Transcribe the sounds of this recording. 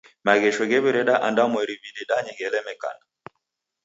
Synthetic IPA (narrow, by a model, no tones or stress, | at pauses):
maɣɛʃɛɣɛβɛɾɛɗaʔandamwɛɾiβidiɗaɲɛɣɛlɛmɛka̰na